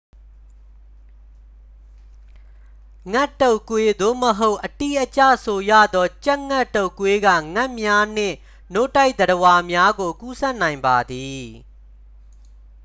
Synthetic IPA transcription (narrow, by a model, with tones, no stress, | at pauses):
ŋɛ˦tːo˦ʊ˨kwe˦d̪o̰˦˨məɦo˦ʊʔəti˦˨ʔət͡ɕä̰˦˨sʰo˨jä̰˦˨d̪ɔ˦t͡ɕa˦ʔŋɛ˦˨to˦ʊ˨kːwe˦ɡa̰˦˨ŋɛ˦ʔmja˦n̥ɪ̰̃˦˨ | no˦˨ta˦ɪʔd̪əɾəwa˨mja˦ɡo˨ku˦sɛ˦ʔnã˨ɪ̃mba˨d̪i˨